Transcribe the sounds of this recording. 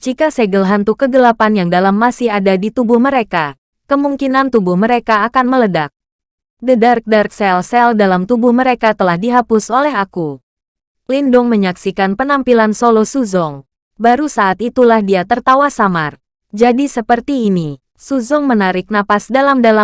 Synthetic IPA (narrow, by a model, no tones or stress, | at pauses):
d͡ʒikasɛɡəlɦant̪ukəɡəlapanjaŋdalamːasɪhadadit̪ubʊhməɾeka | kəmuŋkinant̪ubʊhməɾekaːkanmələdak̚ | dədark̚dark̚sɛlsɛldalamt̪ubʊhməɾekat̪əlahdiɦapʊsolɛɦaku | lindʊŋməɲaksikanpənampilansolɔsuzɔŋ | baɾusaʔːt̪it̪ulahdiat̪ərt̪awasamar | d͡ʒadisəpərt̪iːni | suzɔŋmənaɾɪk̚napasdalamdala